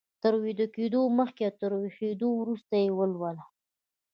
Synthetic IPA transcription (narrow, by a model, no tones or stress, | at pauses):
t̪əɾwid̪əked̪oməxkeat̪əɾwixed̪owɾust̪ajewəlwəla